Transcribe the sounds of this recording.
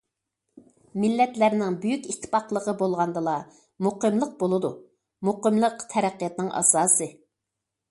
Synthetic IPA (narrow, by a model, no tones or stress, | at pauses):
mɪlːɛt̪læɾnɪŋbyjykʲit̪ʰːɪ̥pɑqlˠəʁəbolˠʁɑnd̪ɨlˠɑ | muqəmlˠəq̚bolˠɨd̪u | muqəmlˠəqt̪ʰɛɾæqːijɑt̪nɪŋʔɑ̰sɑːsɨ